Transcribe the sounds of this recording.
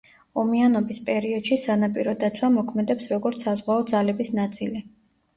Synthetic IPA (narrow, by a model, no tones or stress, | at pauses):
ɔmianɔbispʼɛɾiɔd̪̥ʃisanapʼiɾɔd̪at̪sʰwamɔkʰmɛd̪ɛpsɾɔɡɔɾt̪sʰazʁwaɔd̪zalɛbisnat̪sʼili